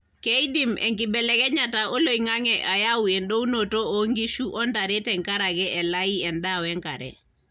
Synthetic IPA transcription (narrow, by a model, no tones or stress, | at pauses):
kejdimɛ̰ŋkibɛlɛkɛɲataolojŋaŋɛʔajawuɛnɗownotooŋɡiʃuʔɔndaɾɛtɛŋkaɾaɡɛʔɛlaiɛndawɛŋkaɾɛ̰